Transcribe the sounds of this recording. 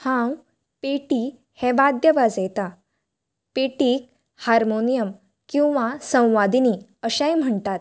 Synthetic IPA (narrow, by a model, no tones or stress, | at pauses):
hãw | peʈi | hɛ̃ʋad̪jəʋad͡zejt̪a | peʈiːk̚ | haɾmonijəm | kĩw̃ʋasə̃w̃ʋad̪ini | əɕãjm̤əɳt̪at̪̚